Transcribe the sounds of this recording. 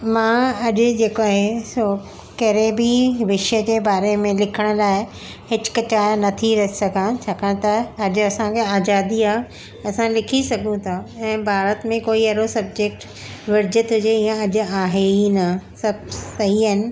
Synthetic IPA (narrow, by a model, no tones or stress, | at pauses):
mãːɐʄʊd͡ʑeːkoaːɦesoː | kɐɾẽbɪʋɪʃəd͡ʑeːbaːɾemẽlɪkʰəɽ̃ʊ̆laːɪ | hɪt͡ɕʊ̥kɐt͡ɕaːnɐt̪ʰiɾɐɦisɐɡʱãt͡ɕʰaːkãːt̪ɐɐʄʊ̆ɐsãkʰeaːd͡ʒaːd̪iaːɦ | ɐsãlɪkʰisɐɡʱũt̪ʰaɛ̃ːbʱaːɾət̪mẽkoːiɐɾosɐb̚d͡ʑek̚ʈ | ʋɪɾd͡ʑɪt̪ɦʊd͡ʑeĩjə̃ɐʄʊ̆aːɦeinɐsɐbʱsɐɦiɦɪnɪ̆